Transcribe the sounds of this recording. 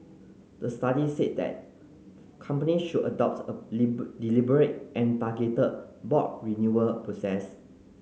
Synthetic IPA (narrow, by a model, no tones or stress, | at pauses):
dəstadiset̚dɛ̰t̚ | kʰãmpəniʃuʔədɔp̚tədilibəɹet̚ʔɛ̃ntaɡetəd̚bɔt̚ɹinjuəpɹosɛs